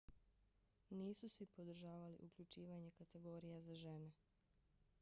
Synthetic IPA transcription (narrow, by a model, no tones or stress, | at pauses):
niːsusipo̞d̪r̩ʒaːʋalḭʔukʎut͡ʃiːʋaɲe̞kat̪e̞ɡo̞ːɾijazaʒene